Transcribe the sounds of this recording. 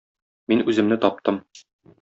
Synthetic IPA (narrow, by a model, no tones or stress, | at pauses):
minʉzɘ̆mnɘt̪ɒp̚t̪ɤm